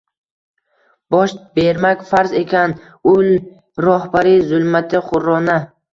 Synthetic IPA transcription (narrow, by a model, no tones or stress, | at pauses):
b̥ɒʃbeɾmakʲfaɾze̞kʲʰan | ʊl | ɾɒhbaɾizʊlˠmat̪ʰɪχʊɾːɒna